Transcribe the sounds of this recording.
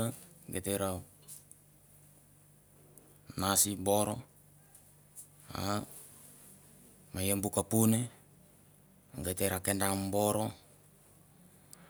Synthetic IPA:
aɡet̪eɾa | nasiboɾo | a̰ | majambukapune | ŋɡet̪eɾakendamboɾo

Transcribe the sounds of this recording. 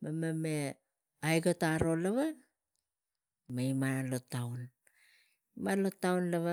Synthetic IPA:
mameme | ajɡotaɾo̞laβa | maimalotawn | imalotːawnlaβa

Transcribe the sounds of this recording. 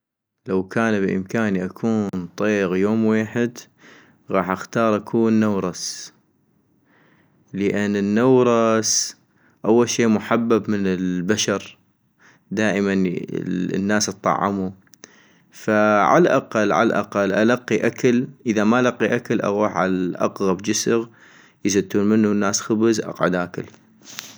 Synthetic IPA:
lawkʰaːnbʔɪ̰mkaːniʔakʰuːnnt̪ˤeːɣjoːmweːħɪd̪ | ɣɑːħʔaxt̪ɑːɾˤʔakʰuːnːawɾˤɑs | ləʔɪnːənːawɾˤɑs | ʔawːalʃiːʔmʊħabːabmɪnɪlbaʃɑɾˤ | d̪aːʔəman̰ | nːaːsɨt̪ˤːɑ̰ʕːɪmu | faʕa̰laʔa̰qɑlːʕa̰laʔa̰qalːʔalaqːiʔakalʔəðamaʔalɑqːiʔakalʔa̰ɣuːħʕalaʔɑ̰qɣabd͡ʒɪsəɣ | jɪsat̪ːuːnmɪnːunːaːsxʊbzʔɑ̰qʕʊ̰d̪ʔaːkɪl

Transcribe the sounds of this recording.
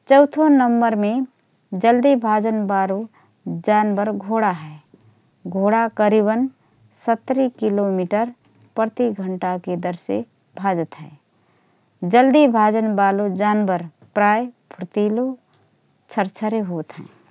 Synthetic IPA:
t͡ʃəʊt̪ʰonəmbəɾmẽ | d͡ʒəld̪ibʱaːd͡ʒənbaːlo | d͡ʒaːnbəɾɡʱoːɽaɦɛː | ɡʱoːɽakəɾiːbən | sət̪ːɾikilomiʈəɾ | pəɾt̪iɡʱəɳʈaked̪əɾsḛ | bʱaːd͡ʒət̪ɦɛ̰ː | d͡ʒəld̪ibʱaːd͡ʒənbaːlod͡ʒaːnbəɾ | pɾaːjpʰɾət̪iːlo | t͡ʃʰəɾt͡ʃʰəɾeɦoːt̪ɦɛ̰̃ː

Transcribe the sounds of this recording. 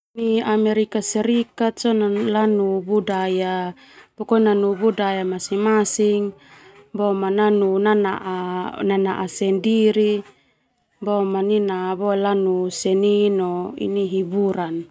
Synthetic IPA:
niameɾikaseɾikat̪̚sonalanubudaja | pokonanubudajamasimasiŋbomananunanaʔananaʔasɛndiɾi | bomaninabolanusɛninoḭniɦibuɾan

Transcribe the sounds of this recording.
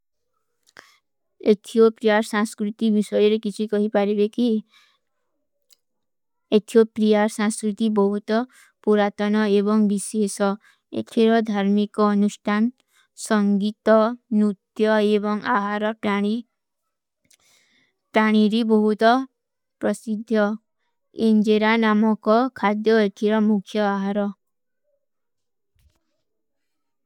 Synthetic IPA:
et̪ʰiopɾiaɾsãŋskɾut̪ibisɔjɔɾekit͡ʃʰikɔɦipaɾibeki | et̪ʰiopɾiaɾsaŋskɾut̪ibɔɦut̪ɔ | puɾat̪ɔnɔebɔŋbisesɔ | ḛt̪ʰiɾɔd̪ʱaɾmikɔːnusʈʰan | sɔŋɡit̪ɔnut̪jɔebɔŋaɦaɾɔi | paɽ̃iɾibɔɦut̪ɔ | pɾɔsid̪ʱːjɔ | end͡ʒeɾanamɔkɔkʰad̪jɔeʈʰiɾɔmukʰjɔaɦaɾɔ

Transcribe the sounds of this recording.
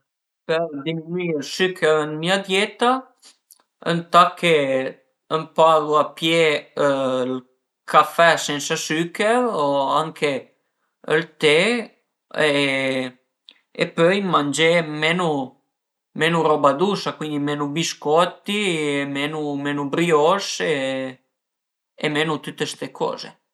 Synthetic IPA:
peɾd̪iminwiəlsykːəɾənmiad̪jeːt̪a | ə̰nt̪akʰːe | əmpaːɡoapje | l | kʰafːɛsɛnt̪sasykːeɾoaŋkʰe | əlt̪e | e | ḛpøjmand͡ʒemenu | menurɔbad̪usakwind̪imenubiskɔt̪ːiemenumenubɾiɔse | ḛmenut̪ut̪ːest̪ekʰɔ̰ːzḛ

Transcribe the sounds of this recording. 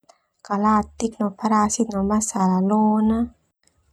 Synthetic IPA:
kalat̪ːik̚nɔpʰaɾasit̪̚nɔmasalaloːna

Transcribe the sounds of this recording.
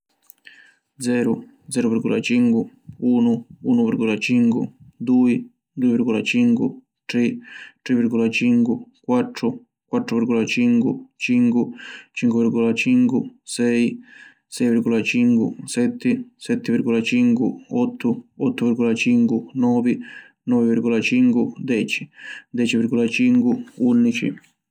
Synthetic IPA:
d̪zɛːɾud̪zɛːɾuvirɡɔlat͡ʃiŋkuuːnʊuːnuviɾɡɔlat͡ʃiŋkṵd̪uːi | d̪uivirɡɔlat͡ʃiŋkṵ | t̪ɾit̪ɾivːiɾɡɔlat͡ʃiŋkwukwat̪ːɾʊ | kwat̪ːɾuviɾɡɔlat͡ʃiŋkut͡ʃiŋkut͡ʃiŋkuvirɡɔlat͡ʃiŋkusɛj | sɛjvirɡɔlat͡ʃiŋkusɛt̪ːɪsɛt̪ːɪviɾɡɔlat͡ʃiŋkuɔt̪ʰːʊɔt̪ːuviɾɡɔlat͡ʃiŋkunɔːvi | nɔviviɾɡɔlat͡ʃiŋkud̪ɛːt͡ʃi̥d̪ɛːt͡ʃiviɾɡɔlat͡ʃiŋkuunːit͡ʃḭ

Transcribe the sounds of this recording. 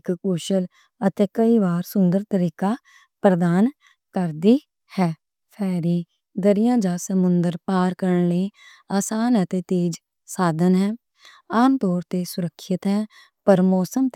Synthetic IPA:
kkuʃəl | ət̪eːkəiːbaːɾsʊnd̪əɾt̪əɾiːkaː | pɾəd̪aːn | kəɾd̪iː | hɛː | pʰɛːɾiː | d̪əɾɪjãːd͡ʒaːsəmʊnd̪əɾpaːɾkəɾəɳleː | aːsaːnət̪eːt̪eːd͡ʒ | saːd̪ənɦɛː | aːmt̪ɔːɾt̪eːsʊɾəkʰːʃɪt̪ɦɛː | pəɾmɔːsəmt̪

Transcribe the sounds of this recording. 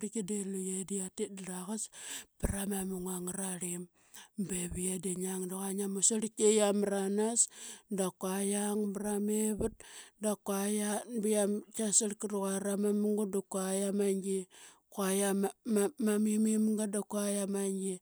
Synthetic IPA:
ɾikedelujediatedɾaɣaspiɾamamuŋaŋɾaɾim | beβiadeɲaŋdaɣaɲamusaɾikejamɾanasdakwajaŋbɾameβut̚dakwajabijamkasaɾkiɾuɣaɾamamuŋɡudakuajamaŋɡi | kwaja | mamimimŋɡadakajamaŋɡi

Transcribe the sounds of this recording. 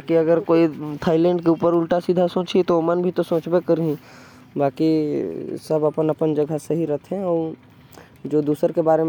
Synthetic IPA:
akiɐɡəɾkoːit̪ʰaːɪlɛ̃ːɳɖkeuːpəɾʊlʈasid̪ʱasõːt͡ʃit̪omənbʱit̪osõːt͡ʃbekəɾĩ | baːki | sɐbɐpənɐpənd͡ʒɐɡʱəseɦiɾɐt̪ʰɦɛ̃ɔːɾ | d͡ʒoːd̪uːsəɾkebaːɾem

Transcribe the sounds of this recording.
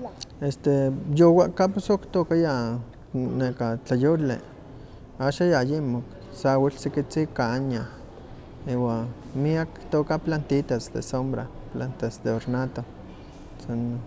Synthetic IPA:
est̪ejowaʔkaposokt̪okaja | nekat͡ɬajolḛ | aʃajajimok | sawilsikit͡sikaɲa | iwa | miakt̪okaplant̪it̪asd̪ḛsombɾa | plant̪asd̪eoɾnat̪o | san

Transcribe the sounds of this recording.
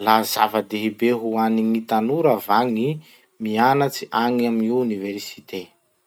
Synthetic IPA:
lazavəd̪eɦibeɦuaniŋit̪anuɾavaŋi | mianat͡si̥ʔaŋaminiwuniveɾsi̥t̪e

